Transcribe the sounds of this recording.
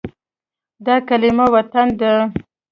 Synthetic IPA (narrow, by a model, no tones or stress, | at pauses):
d̪ɑkalɪmawat̪and̪ə